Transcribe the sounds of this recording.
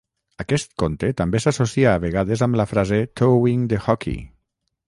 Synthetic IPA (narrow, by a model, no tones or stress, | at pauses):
akɛst̪̚kont̪et̪ambesasosiaːβ̞eɣaðezamlafɾazet̪owiŋd̪exɔkḭ